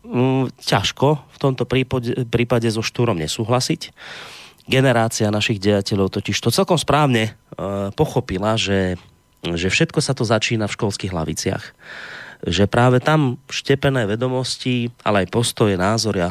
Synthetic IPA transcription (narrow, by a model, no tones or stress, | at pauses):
caʃkɔft̪ɔmt̪ɔpipɾiːpaɟɛzɔʃt̪uːɾɔmɲɛ̰suːɦlasic | ɡɛnɛɾaːt͡sianaʃiɣɟɛjacɛʎɔʊt̪ɔciʃt̪ɔt͡sɛlkɔmspɾaːʊɲɛpɔxɔpilaʒɛ | ʒɛfʃɛt̪kɔsat̪ɔzat͡ʃiːnafʃkɔlskiːɣɦla̰ʋit͡sɪa̰x | ʒɛpɾaːʋɛt̪amʃcɛpɛnɛːʋɛd̪ɔmɔsciʔa̰lɛajpɔst̪ɔjɛnaːzɔɾɪa